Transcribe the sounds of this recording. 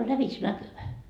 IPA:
o læʋitsnækyʋæ

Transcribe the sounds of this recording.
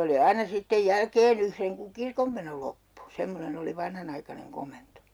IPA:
oli ɑinɑ sitːej jælkeːn yhreŋ kuŋ kirkomːeno lopːu semːonen oli ʋɑnhɑnɑikɑneŋ komento

